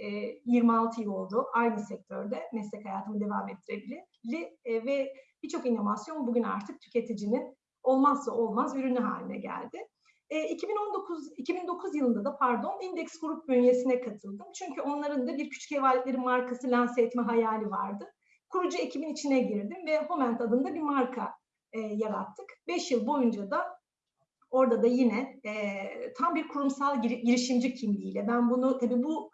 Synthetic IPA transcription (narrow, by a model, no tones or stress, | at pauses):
ɛjiɾmialˠt̪ʰɯjɯlˠo̞lˠd̪uajnɯsɛc̚t̪ʰøɾd̪ɛmɛslʲɛchajaːt̪ʰɯmɯd̪e̞vaːmɛt̪ʰːiɾebilʲi | lʲɪvɛb̥it͡ʃʰo̞kinːo̞vasjo̞nbuɟyna̰ɾt̪ʰɯk̚t̪ʰy̥cʰe̞t̪ʰid͡ʒinin | o̞lˠmazːao̞lˠmazyɾynyɦa̰ːlʲinɛ̰ɟæ̰lʲd̪ɪ | icʰibinond̪okʰicʰibind̪o̞kʰuzjɯlˠɯnd̪ad̪apʰaɾd̪o̞nind̪ɛcsɡuɾup̚bønje̞sinɛkʰat̪ʰɯlˠd̪ɯmt͡ʃʰyɲcʰyo̞nlˠaɾɯnd̪abiɾcʰy̥t͡ʃʰy̥cɛvaːlʲɛt̪lʲeɾinmaɾkʰasɯlʲansɛɛt̪mɛɦajaːlʲiva̰ɾd̪ɯ | kʰuɾud͡ʒue̞cʰibinit͡ʃʰinɛɟiɾd̪imvɛho̞mænt̪ʰad̪ɯnd̪abiɾmaɾkʰa | jaɾa̰t̪ʰːɯkbɛʃjɯlˠbo̞jund͡ʒad̪a | o̞ɾd̪ad̪ajinɛ | t̪ʰambiɾkʰuɾumsalˠɟiɾiʃimd͡ʒicʰimlʲiːlʲɛbænbunut̪ʰabiːbu